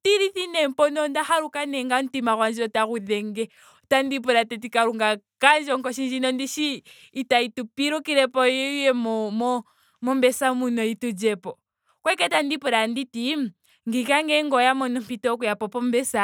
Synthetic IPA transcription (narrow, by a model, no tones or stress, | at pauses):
tiɾiθinɛmpɔnɔndahaɾukanɛŋɡan̩timaɣwand͡ʒiɾɔtaɣuðɛŋɡɛ | tandip̬ɔɾatɛtikaɾuŋɡakand͡ʒɔŋkɔʃind͡ʒinɔndiʃiː | taitupiɾukiɾɛpɔɔujɛmɔmɔ | mɔmbɛsamunɔitud͡ʒɛpɔ | kwɛkɛtandipɔɾanditim̩ | ŋɡikaŋɡɛŋɡɔjamɔnɔmpitɔkujapɔpɔmbɛsa